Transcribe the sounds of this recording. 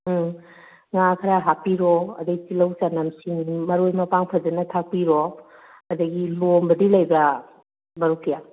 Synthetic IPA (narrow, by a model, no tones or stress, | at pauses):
ŋakʰɐɾaɦapiɾɔɐ̰dɐɡitilɐwsanɐmsiŋmɐɾojmɐpaŋpʰɐd͡ʒɐnɐtʰak̚piɾo | ɐdɐɡilombɐdilajbɐ | bɐɾokʰija